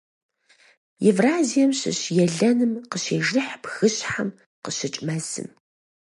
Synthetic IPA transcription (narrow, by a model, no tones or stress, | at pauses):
evraːzijɛmɕɪ̰ɕjɛɮɐnɨmqəɕeːʒɨħpxɨɕħam | qəɕɪt͡ʃʼmɐzɨ̰m